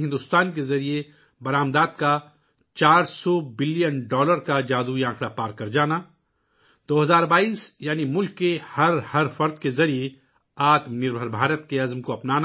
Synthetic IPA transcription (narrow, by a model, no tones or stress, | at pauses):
ɦɪ̃nd̪ʊst̪aːnkezɐɾie | bɐɾaːmd̪aːd̪̚ka | t͡ʃaːɾsɔbɪlijənɖɔːləɾkad͡ʒaːd̪uiãːkɽapaːɾkɐɾd͡ʒaːna | d̪̥oːɦɐzaːɾbaːiːsjaːnimʊlkːehɐɾhɐɾfɐɾd̪kezɐɾie | aːt̪mnɪɾbʱəɾbʱaːɾət̪keɐzmkoɐpnaːna